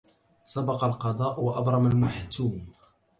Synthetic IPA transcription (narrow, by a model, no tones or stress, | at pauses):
sˤɑbɑqɑlqɑd̪ˤɑːʔwaʔɑbɾˤɑmalmaħt̪uːm